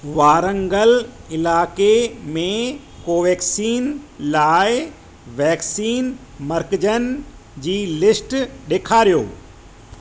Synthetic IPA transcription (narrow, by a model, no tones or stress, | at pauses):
ʋaːɾə̃ŋɡəlɪlaːkemẽ | koːʋɛːksiːnlaːɪ | ʋɛːksiːn | mɐɾkɪd͡ʑənɪ̆d͡ʑiːlɪsʈɗeːkʰaːɾijo̰ː